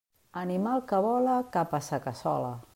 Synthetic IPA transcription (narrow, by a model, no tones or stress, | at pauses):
animalˠkəβɔlakapasakasɔ̰la̰